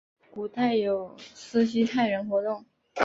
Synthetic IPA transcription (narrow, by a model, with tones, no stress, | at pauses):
ku˨˩t̪a˥˩ɪjo˨˩ʊsɹ̩˥ɕ̬i˥t̪ʰa˥˩ɪɻə˧˥nxwɔ˧˥t̪ʊ˥˩ŋ